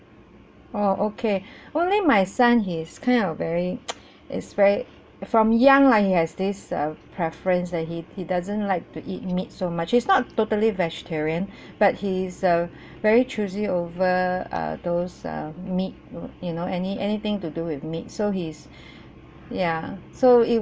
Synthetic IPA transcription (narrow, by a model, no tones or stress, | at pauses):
oʔokʰeõnlimaɪsãnɦiskʰãɪ̃ndɔvɛɹi | ʔɪ̰tsvɛɹi | fɹɔ̃mjãŋlaɪhihɛzdisʌ̰pʰɹɛfɹə̃nsdɛthihidazə̃nlaɪk̚tuʔit̚mit̚somat͡ʃhisnɔtːotəlivɛd͡ʒɛ̥tʰɛɹiə̃n | b̥at̚hizʌ | vɛɹit͡ʃʰuziovəʌ̰d̪osʌ̰mit̚junoʔɛniʔɛnit̪ɪ̃ŋtuduwɪθmit̚soɦis | jasoi